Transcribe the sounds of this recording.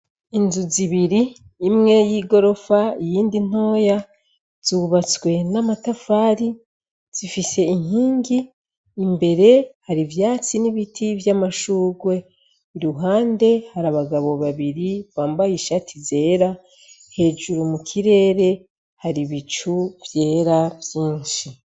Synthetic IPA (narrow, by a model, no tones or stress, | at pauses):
inzuziβiɾiː | mŋe̞jiːɡo̞ɾo̞faijiːndin̥o̞ːja | z̥uβat͡swe̞namatafaːɾi | z̥ifise̞iŋiːŋɡiː | mbe̞ɾe̞haɾivjaːt͡siniβitʰivjamaʃuːɡwe̞ | iɾuɦaːnde̞haɾaβaɡaβo̞βaβiɾiβaːmbajiʃatʰize̞ːɾa | he̞ːd͡ʒuɾumukʰiɾe̞ːɾe̞ | haɾiβit͡ʃuvje̞ːɾavjiːnʃi